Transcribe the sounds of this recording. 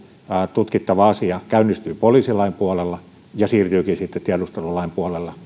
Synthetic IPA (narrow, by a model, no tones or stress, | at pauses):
t̪ut̪kit̪ːɑʋɑɑsiɑkæynːˑist̪yipoliːsilɑimpuɑlelːɑ | jɑsiːrt̪yːkiːsit̪ːet̪t̪iɑdust̪elulɑimpuɑlelːɑ